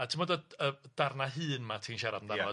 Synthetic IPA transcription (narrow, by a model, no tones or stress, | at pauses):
atʰɪmɔdaəd̥arnaɦɨːnmatʰinʃaɾadəndaɔ